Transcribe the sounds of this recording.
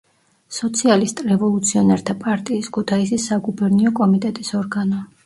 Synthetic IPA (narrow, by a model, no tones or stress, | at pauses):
sɔt̪sʰialist̪ʼɾɛvɔlˠut̪sʰiɔnɛɾt̪ʰapʼaɾt̪ʼiːskʰut̪ʰaisisːaɡubɛɾniɔkʼɔmit̪ʼɛt̪ʼisɔɾɡanɔ